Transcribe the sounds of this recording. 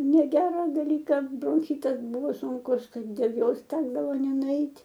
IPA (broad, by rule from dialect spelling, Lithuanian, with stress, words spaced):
nʲɛˈɡʲæːrɐ dɐˈlʲiːkɐ broːŋʲˈxʲɪtɐs ˈbʊʋoː sʊŋˈkʊs ˈtɐɪ dʲeːlˠ ˈjoːs ˈtʲæːɡdɐʋoː nʲɛnʊˈɛɪtʲ